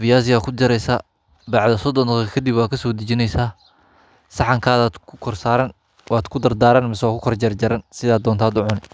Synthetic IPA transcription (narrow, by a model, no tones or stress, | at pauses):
vɪjaːs̬ɪaːkʰʊd͡ʒɐɾɛjsaː | bɑʕd̪ɐsɔd̪ɔnɔɐkʰɐd̪ibwaːd̪̚kʰɐsɔːd̪ɐt͡ʃɪnɛjsaː | sɑħɑŋkʰaːðaːd̪kʰʊ̥kʰɔrsaːɾɐn | wɑːd̪kʰʊd̪ɐrd̪aːɾɐnmɪsɛwakʰʊkʰɔrd͡ʒɛrd͡ʒɐɾɐnsɪðaːd̪ːɔːnt̪ʰaːd̪ʊʕʊnɪ